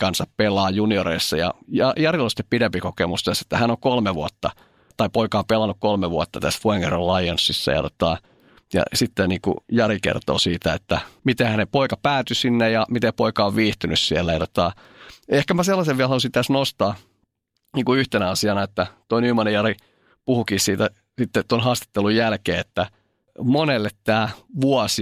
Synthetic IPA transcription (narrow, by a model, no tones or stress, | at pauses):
kɑnsɑppelˑɑːjunioɾeisːɑjɑ̰jɑjɑrilosi̥t̪ːepidempikokemust̪æse̥t̪ːæhænokolmeʋuot̪ːɑ̰ | t̪ɑipoikɑompelɑnukkolmeʋuɑt̪ːɑt̪æsʋoeŋerɑlɑionsːisːɑ̰jɑ̰t̪ot̪ɑ | jɑ̰sit̪ːeniːkṵjɑrikḛrt̪o̰ːsiːt̪æet̪ːæmit̪ehænepoikɑpæːt̪ysinːejɑmit̪epoikɑoʋʋiːht̪ynyssielːæjɑt̪o̥t̪ɑ | ehkæmæselːɑseʋʋiælhɑlusint̪æsnost̪ɑː | niːŋkuyht̪enæɑsiɑnɑet̪ːæt̪oinyːmɑnejɑɾi | puhukiːsiːt̪æ | sit̪ːett̪onɦɑːst̪e̥t̪ːelujjælkeːet̪ːæ | monelːet̪t̪æːʋuɑs